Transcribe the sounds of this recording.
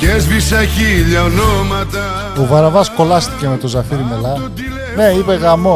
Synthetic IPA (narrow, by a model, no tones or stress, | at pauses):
cezvisɐçiʎɐonomɐt̪ɐ | ovɐɾɐvɐsko̞lɐst̪i̥ce̞me̞t̪o̞zɐfiɾimelɐ | ne̞ipe̞ɣɐmo